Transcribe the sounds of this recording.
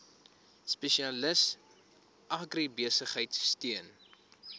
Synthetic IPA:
speʃiɐləs | ʔɐɡribiəsəχɦəjtsːtiən

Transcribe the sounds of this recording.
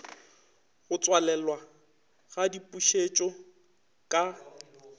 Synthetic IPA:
ɣʊt͡sʼwalɛlwa | ɣadipʼuʃet͡ʃʼɔ | kʼa

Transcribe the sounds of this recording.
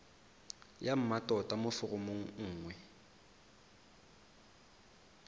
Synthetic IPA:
jam̩matʼɔtʼamʊfʊrʊmoŋ̩ŋ̩ːŋwɛ

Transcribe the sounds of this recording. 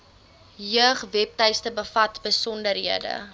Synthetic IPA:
jəχvɛp̚tɛjstəbəfɐtbəsɔndəɾɦiədə̰

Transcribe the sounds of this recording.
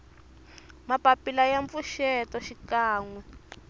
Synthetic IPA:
mapapilajaɱp̪fuʃɛtɔʃikaːŋwɛ

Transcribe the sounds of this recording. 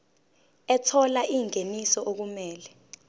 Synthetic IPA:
ɛtʰɔlaʔiŋʱenisɔʔok̬umɛːlɛ

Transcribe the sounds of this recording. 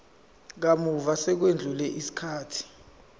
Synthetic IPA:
k̬amuvasɛk̬wend͡ɮʱulɛʔisi̥kʰaːtʰi̥

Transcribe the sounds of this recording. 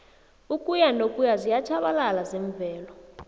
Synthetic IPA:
ukʼujanokʼujazijat͡ʃʰaɓalalazɛɱvʱɛːlɔ

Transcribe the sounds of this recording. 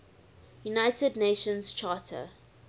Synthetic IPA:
junaɪtʰədneːʃə̃nst͡ʃʰaːtʰə̰

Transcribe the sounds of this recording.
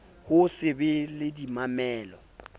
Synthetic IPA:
hʊsɪbɪlɪdimamɛːlɔ

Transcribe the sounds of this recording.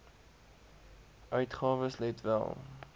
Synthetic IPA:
ʔœɥtχɑːvəslɛtvæ̰lˠ

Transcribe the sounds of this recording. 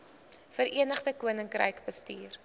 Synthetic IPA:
fəɾiənəχdəkuənəŋkrə̰jkbəstiːr

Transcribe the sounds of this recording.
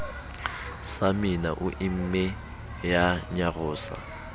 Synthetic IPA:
samina̰ʔuʔim̩mɛ | jaɲaɣʊːsa̰

